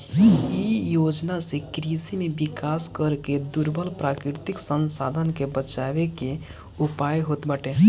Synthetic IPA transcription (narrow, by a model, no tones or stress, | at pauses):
ijoːd͡ʒnasekɾisimẽbɪkaːskəɾked̪uɾbʱəlpɾaːkɾɪɾt̪ɪksə̃nsaːd̪ʱənkebət͡ʃaːʋeke | ʊpaːjɦoːt̪bəʈe